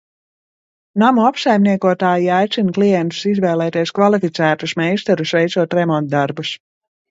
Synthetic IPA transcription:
namuapsajmniɛkuɔt̪aːjiajt̪sinklˠijɛnt̪u̥sizvɛːlˠɛːt̪iɛskvalˠifit̪sæːt̪usmɛjst̪ɛɾusvɛjt̪suɔt̪ɾɛmɔnt̪̚d̪aɾbus

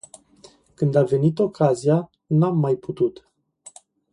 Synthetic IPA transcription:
kɨnd̪ave̞nit̪o̞kʰazija | namːajput̪ut̪

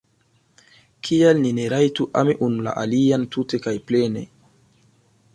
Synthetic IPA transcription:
kʰialnineɾajtuʔa̰miʔunla̰ʔaliantute̞kajplene̞̰

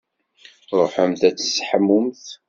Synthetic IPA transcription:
ɾˤoħəmθæt͡sːə̥sħəmːʊmθ

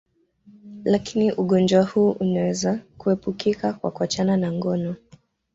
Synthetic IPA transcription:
lakʰiniʔuɠɔnd͡ʒwahuːʔunawɛzakuhɛpukikakwa̰kuat͡ʃananaŋɡɔnɔ

